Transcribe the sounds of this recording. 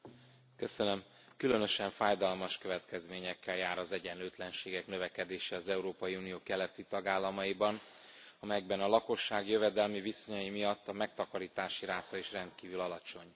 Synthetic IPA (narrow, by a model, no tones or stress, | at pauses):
kø̞sønøm | kylønø̞ʃɛɱfaːjd̪ɒlmɒʃkø̞vɛt̪kɛzmeːɲɛkʰːɛljaːɾɒzɛɟɛnløːt̪lɛnʃeːɡɛknø̞vɛkɛd̪eːʃɛɒzɛuɾoːpɒjiuːnijoːkɛlɛt̪it̪ɒɡaːlːɒmɒjibɒnɒmɛjɛɡbɛnɒlɒko̞ʃːaːɡjø̞vɛd̪ɛlmiviso̞ɲɒjimijɒt̪ːɒmɛk̚t̪ɒkɒɾiːt̪aːʃiɾaːt̪ɒiʃrɛnt̪kiːvylɒlɒt͡ʃo̞ɲ